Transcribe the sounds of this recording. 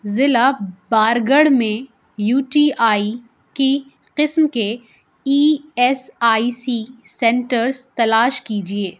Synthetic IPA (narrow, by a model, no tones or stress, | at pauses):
zɪlabaːɾɡəɽmẽ | juːʈiːaːi | ki | qɪsmke | iːɛsaːisisɛ̃ɳʈəɾzt̪ɐlaːʃkiːd͡ʒieː